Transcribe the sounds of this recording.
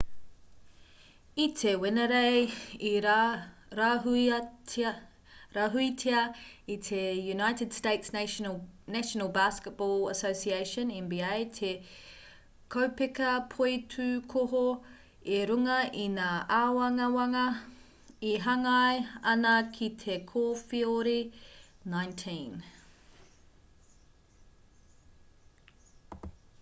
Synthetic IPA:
itʰewenɐɾejiɾ | ɾaɦui | ɾaɦuitʰeɐit̪ʰejunajtɪd̥steɪts | næʃonəlˠbaskət̚b̥ɔləsoʊsiejʃə̃nɛ̃nbiejtʰe | kʰowpekɐpʰoitʰʉkʰoɦo | eɾuŋɐʔinaʔawɐŋɐwɐŋɐ | iɦɐŋɑjɐnɐkʰitʰekʰoːfioɾinaɪ̃ntʰĩn

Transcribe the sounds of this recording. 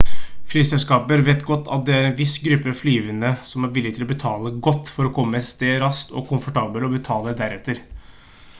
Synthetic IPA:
flyːsɛlskɑːpəɾʋeːt̪ɡɔt̪ːɑ̰t̪̚d̪ɛæɾɛnʋɪsɡɾʉpːəɑflyːʋənəsɔmæɾʋɪlːɪɡ̚t̪ɪlɔbət̪ʰɑːləɡɔt̪ːfɔɾɔkʰɔmːəst̪eːɾɑst̪ɔ̰kʰʊmfɔʈɑːbəlɔbət̪ʰɑːləd̪æɾɛt̪ːəɾ

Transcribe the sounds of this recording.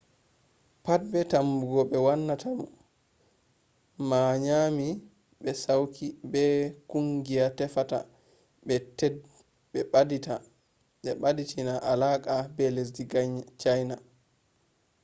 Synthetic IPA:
pat̚bɛtambuɡɔɓɛwanːatʰamu | maɲami | ɓɛsawkʰibɛkuŋɡijatɛfata̰ | ɓɛt | ɓɛɓdita | ɓɛɓaditʰinaʔalakʼabɛles̬diɡt͡ʃajna

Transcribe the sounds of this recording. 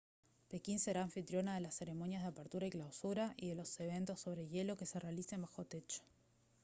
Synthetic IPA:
pe̞kinse̞ɾaːɱfit̪ɾjo̞naðe̞lasːe̞ɾe̞mo̞njazðeapeɾt̪uɾaiklawsuɾaʔiðe̞lo̞se̞β̞e̞nt̪o̞sːo̞β̞ɾeʎe̞lo̞ke̞se̞realisembaxo̞t̪e̞t͡ʃo̥

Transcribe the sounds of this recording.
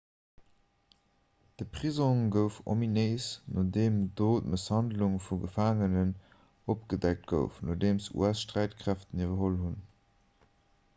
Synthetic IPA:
d̥əpʁizoŋɡəʊfo̰mineɪsnodeːmdoːtməshɑndluŋfuɡəfaːŋənən | opɡ̥ədæk̚t̚ɡ̥ə̰ʊfno̰ːdeːmsṵæsʃtʁæɪtkʰʁ̥æftənivɐɦolhun

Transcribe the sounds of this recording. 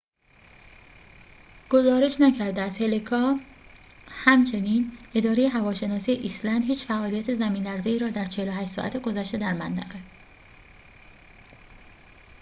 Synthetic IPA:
ɡ̥o̞zɒːɾe̞ʃnæcʰæɾd̪eæz̥he̞lekʰɒː | hæmt͡ʃʰe̞niːne̞d̪ɒːɾejeɦævɒːʃe̞nɒːsijeʔislænd̪hiːt͡ʃfæʔɒːlijæt̪ʰe̞zæmiːnlæɾzeiːɾɒːd̪æɾt͡ʃʰeheloɦæʃt̪sɒ̰ːʔæ̰t̪ʰeɡo̞zæʃt̪e̞d̪æɾmænt̪ʰæɣe

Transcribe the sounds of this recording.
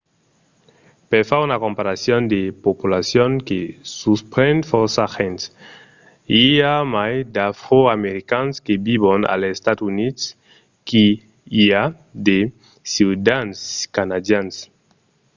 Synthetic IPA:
peɾfaunakompaɾasjond̪epopulasjoŋkesuspɾend̪fosaxen | iamajd̪afɾoameɾikanskebiβona̰lest̪at̪unit̪s | ki | ia | d̪e | siwd̪anskanad̪jans

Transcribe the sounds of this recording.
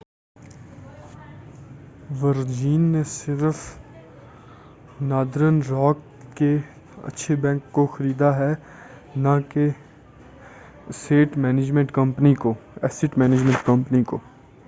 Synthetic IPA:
ʋəɾd͡ʒiːnːesɪɾf | naːd̪ɾənɾɔːk̚ː | e | ɐ̰tːʃʰebɛ̃ːŋkːoxɐɾiːd̪aɦɛ | nãke | seːʈmɛːned͡ʒmɛ̃ɳʈkə̃mpnikoɛsɪʈmɛːnɪd͡ʒmɛ̃ɳʈkɐmpənikoː

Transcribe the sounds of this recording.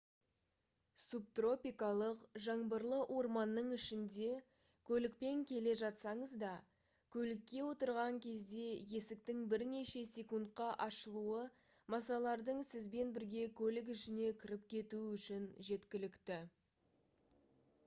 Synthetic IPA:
sup̚t̪ro̞pʲijkɑlˠəqʒɑɴbəɾlˠəʔo̞ɾmɑnːəɴɪʃɪnd̪e̞ | kʲʰɵlɪk̚pe̞ŋkʲʰe̞le̞ʒɑt̪sɑɴəzd̪ɑ | kʲʰɵlɪkʲːe̞wo̞t̪əɾʁɑŋkʲʰe̞zd̪e̞je̞sɪk̚t̪ɪŋbɪɾne̞ʃe̞sʲe̞kunt̪̚qɑʔɑʃəlˠuə | mɑsɑlˠɑɾd̪əɴsɪzbe̞nbɪɾɡʲe̞kʲʰɵlɪk̬ɪʃɪne̞kʲʰɪɾɪpkʲʰe̞t̪uɪʏʃɪnʒe̞t̪kʲɪlɪkt̪ɪ

